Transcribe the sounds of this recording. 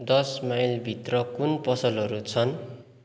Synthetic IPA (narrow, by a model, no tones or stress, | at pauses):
d̪ʌsmajlbʱit̪rʌkunpʌsʌlɦʌɾut͡sʰʌn